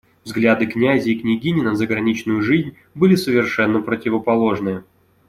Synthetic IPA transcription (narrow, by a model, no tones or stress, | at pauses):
vzɡlʲad̪ɨknʲæzʲɪːknʲɪɡʲinʲɪnəzəɡɾɐnʲit͡ɕnʊjʊʐɨzʲnʲ | bɨlʲɪsəvʲɪrʂɛnːəpɾətʲɪvəpɐlˠo̞ʐnɨjə